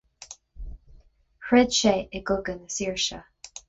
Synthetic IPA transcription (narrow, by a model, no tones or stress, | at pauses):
hɹɛd̪ʃeɪɡʊɡənəsiɹʃə